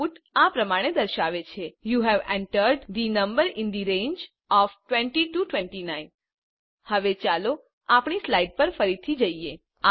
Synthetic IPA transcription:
uʈapɾəmaɽ̃ed̪əɾʃaʋet͡ʃʰejuɦɛʋɛ̰̃ɳʈəɾɖd̪inə̃mbəɾɪ̃nd̪iɾẽnd͡ʒ | ɔfʈwɛ̃ɳʈiʈuʈʋɛ̃ɳʈinain | həʋet͡ʃalo | apɳislaiɖ̚pəɾfəɾit̪ʰid͡ʒəie

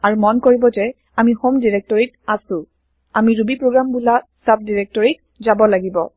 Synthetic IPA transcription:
aɹumɔnkoɹibɔzɛ | amixomdiɹɛk̚tɔɹit̚asʊ̃ | amiɹubipɹoɡɹambulasap̚diɹɛk̚tɔɹit̚ | zabɔlaɡibɔ

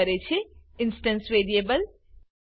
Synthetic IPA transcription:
ɐɾet͡ʃʰeɪnsʈənsʋeːɾiebəl

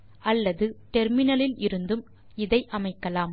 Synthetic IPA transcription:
ʔɐlːɐðɯʈɛɾmɪnɐlɪlɪɾɯnd̪ɯm | ɪðɐɪʔɐmɐɪkːɐlaːm

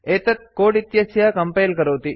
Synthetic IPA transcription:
et̪ɐt̪̚koːɽit̪jɐsjaːkɐmpɐjlkɐɾoːt̪i

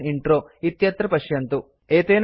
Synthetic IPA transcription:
iɳʈɾoːit̪jɐt̪ɾɐpɐʃjɐnt̪u | eːt̪eːn

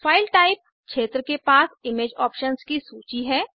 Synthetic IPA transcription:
faːɪlʈaːɪp̚ | kʃeːt̪ɾəkepaːsɪmeːd͡ʒɔːpʃənskisuːt͡ʃiɦɛː

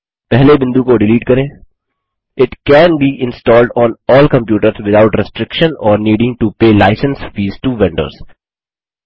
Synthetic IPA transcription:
pɛɦlebɪ̃nd̪ukoɖɪliːʈkɐɾẽː | ɪʈkɛ̃ːnbiːʔɪ̃nsʈɔːlɖɔ̃ːnɔːlkə̃mpjuːʈəɾzʋɪd̪aʊʈɾɪsʈɾɪkʃə̃nɔːɾniːɖɪ̃ŋɡʈupeːlaɪsə̃nsfiːzʈuʋɛ̃ɳɖə̰ːz̥

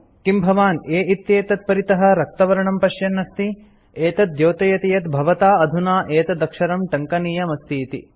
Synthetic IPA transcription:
kimbʱɐʋaːneːit̪jeːt̪ɐt̪̚pɐɾit̪ɐɦɐ̆ɾɐk̚t̪ɐʋɐɾɐɳɐmpɐʃjɐnːɐst̪i | eːt̪ɐt̪̚joːt̪ɐjɐt̪ijɐt̪bʱɐʋɐt̪aːɐd̪ʱunaːʔeːt̪ɐd̪ɐkʃɐɾɐmʈɐŋkɐniːjɐmɐst̪iːt̪ḭ

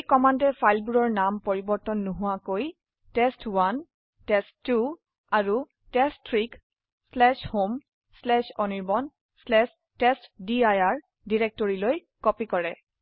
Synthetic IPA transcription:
ejkɔmandɛpʰajlbuɹɔɹnampɔɹibɔɹtɔnːuɦʊwakoj | tɛstwan | tɛsu | aɹu | tɛstʰɹik | slɛʃhom | slɛʃɔniɹbɔn | slɛs | tɛstdiajaɹ | diɹɛk̚tɔɹiloj | kɔpikɔɹɛ

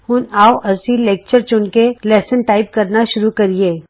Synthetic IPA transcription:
hʊnaːoʔɐsileːk̚t͡ʃəɾt͡ʃʊɳkelɛːsənʈaːɪp̚kɐɾnaʃʊɾukɐɾieː

